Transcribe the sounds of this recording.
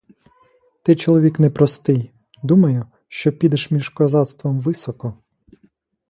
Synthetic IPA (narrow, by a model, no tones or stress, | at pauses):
t̪ɪt͡ʃɔlˠɔʋʲiknɛpɾɔst̪ɪj | d̪umɐjʊ | ʃt͡ʃɔpʲid̪ɛʃmʲiʒkɔzɑt̪st̪ʋɔmʋɪsɔkɔ